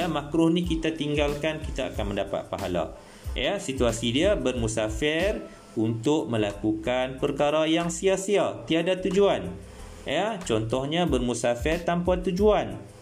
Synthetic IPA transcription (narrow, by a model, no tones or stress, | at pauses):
amakɾʊhnikit̪at̪iŋɡalkankit̪aa̰kanmə̃ndapa̰t̪̚pa̰ɦa̰la̰ | jasit̪uasidiabərmusafɛr | unt̪ʊʔ̚mə̃lakukanpərkaɾajaŋsiasiat̪iadat̪ud͡ʒuan | jat͡ʃɔnt̪ɔhɲãbərmusafɛrt̪ampat̪ud͡ʒuan